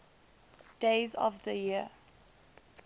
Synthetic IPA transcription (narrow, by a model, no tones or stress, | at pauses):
d̥eɪzɔ̰vðəjiə